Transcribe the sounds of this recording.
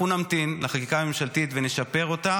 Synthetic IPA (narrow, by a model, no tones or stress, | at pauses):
unamt̪inlaχakikame̞mʃalt̪it̪vene̞ʃape̞ʁo̞ta